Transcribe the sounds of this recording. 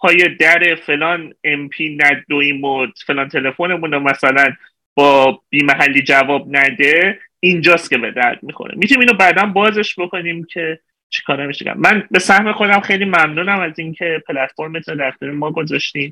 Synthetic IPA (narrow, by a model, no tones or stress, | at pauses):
pʰɒːjed̪æɾe̞fe̞lɒːnempʰiːnæd̪oiːmodfe̞lɒːnt̪ʰe̞le̞fone̞muːnomæsælæn | b̥ɒːb̥iːmæɦælːiːd͡ʒævɒːb̚næd̪e̞ind͡ʒɒːst̪̚cʰe̞be̞d̪æɾd̪̥̚mixo̰ɾḛmit̪ʰunimiːnobæːd̪ænbɒːze̞ʃbo̞ko̞niːmcʰe̞ | t͡ʃʰe̥kʰɒːɾæmiʃḛɟæ̰mːænbe̞sæhme̞xo̞d̪æmxejliːmæmnuːnæmæzincʰe̞pʰelæt̪fo̞ɾmet̪ʰunod̪æɾxt̪eɾemɒːɡo̞zɒʃt̪iːn